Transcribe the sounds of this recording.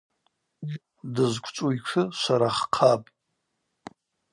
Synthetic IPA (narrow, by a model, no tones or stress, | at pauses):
dɨzkʷʰʼt͡ʃʷʼuikʷʰɨʃʷaɾaχqʰapʼ